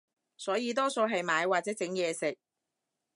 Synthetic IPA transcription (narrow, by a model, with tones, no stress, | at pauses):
sɔː˨˥jiː˧t̪ɔː˥so˧wɦɐ˨jmaː˨˧jwaː˨t͡sɛː˨˥t͡sɪ˨˥ŋjɛː˨˧sɪ˨k̚